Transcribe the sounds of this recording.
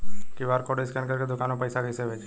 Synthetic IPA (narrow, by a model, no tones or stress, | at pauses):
kiʋaːɾkɔɽeskankəɾked̪ʊkanopəjsaɡəjseʋed͡ʒ